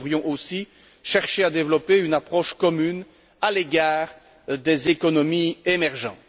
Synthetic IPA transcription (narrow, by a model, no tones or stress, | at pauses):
vʁjɔ̃ʔosi | ʃɛʁʃead̪evlɔpeynapχɔʃkɔmyn | aleɡaːʁ | d̪ezekɔnɔmiemɛʁʒɑ̃t̪